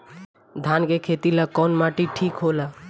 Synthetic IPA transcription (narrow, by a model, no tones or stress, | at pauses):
d̪ʱankekʰet̪ilakɔːnmaʈiʈʰiːkɦola